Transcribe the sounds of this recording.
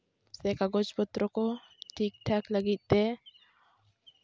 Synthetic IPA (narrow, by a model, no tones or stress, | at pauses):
sekaɡɔt͡ʃbɔt̪ɾɔko | ʈʰik̚ʈʰakləɡit̪̚d̪ɛ